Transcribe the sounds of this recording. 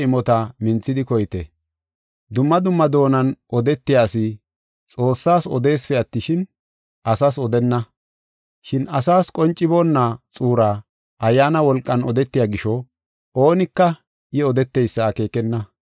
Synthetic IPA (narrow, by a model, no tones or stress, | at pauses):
ɪmɔt̪ɐmɪnt͡sːɪd̪ɪkɔjt̪ɛ | d̪ʊmːɐd̪ʊmːɐd̪o̞ːnɐnɔd̪ɛt̪ːɪjaːsɪ | t͡sʼo̞ːsːaːsɔ̰d̪e̞ːsfɛɐt̪ːɪʃɪn | ʔɐsaːsɔd̪ɛnːɐ | ʃɪnɐsaːskʼɔnt͡ʃʼːɪbo̞ːnːat͡sʼuːɾa | ʔɐjːaːnɐwɔlkʼːɐnɔd̪ɛt̪ːɪjaːɡɪʃɔ | ʔo̞ːnɪkːɐ | ʔɪɔd̪ɛt̪ːɛjsːɐːke̞ːkɛnːɐ